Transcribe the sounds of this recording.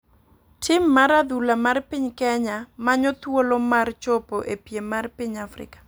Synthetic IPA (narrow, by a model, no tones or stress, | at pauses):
tʰɪmːaɾad̪ulamarpiɲkɛɲamaɲɔt̪wolɔmart͡ʃɔpoʔepjemarpiɲafrɪ̰kḁ